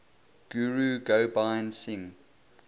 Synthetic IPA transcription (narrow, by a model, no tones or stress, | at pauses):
ɡ̥juɹuɡoʊbãɪnsɪ̃ŋ